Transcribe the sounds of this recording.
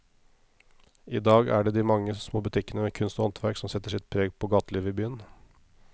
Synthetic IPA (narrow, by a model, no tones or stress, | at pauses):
ʔiːd̪ɑːɡæ̰ɖɛːd̪iːmɑŋːəsmoːbʉt̪ʰɪkːənəʋeːkʰʉnst̪ɔɑnt̪ʰʋæɾksɔmsɛt̪ːəʂɪt̪̚pʰɾeːɡpʰoːɡɑːt̪əliːʋəɪbyːən